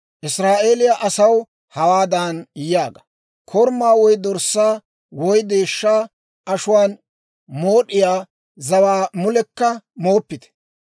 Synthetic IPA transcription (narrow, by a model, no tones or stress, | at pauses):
ʔɪsɾaːʔe̞ːlɪjɐʔɐsɐw | hɐwaːd̪ɐnjjaːɡɐ | kʰɔɾmːaːwɔjd̪ɔɾsːaː | wɔjd̪e̞ːʃːaː | ʔɐʃʊwaːn | mo̞ːɗɪjaː | zɐwaːmʊlɛkːɐmo̞ːpːɪt̪ɛ̥